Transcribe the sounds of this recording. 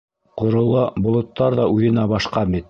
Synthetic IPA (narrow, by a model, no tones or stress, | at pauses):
qŏɾŏlˠɑbŏlˠŏt̪ːɑɾðɑʉðɘ̆næbɑʃqɑbit̪